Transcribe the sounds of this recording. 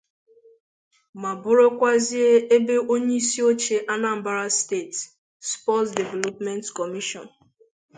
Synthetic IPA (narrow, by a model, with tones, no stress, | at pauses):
ma˨bʊ˦ɾo˦kʷa˦zi˦e˦e˦be˦ʔo˦ɲe˦i˦si˦o˦t͡ʃe˦ʔa˦na˦m̩˨ba˦ɾa˦ste˦˨t | spɔ˦tde˨vɛ˨lɔ˨pmɛ˦ntkɔ˨mi˦ʃɔ̰˨n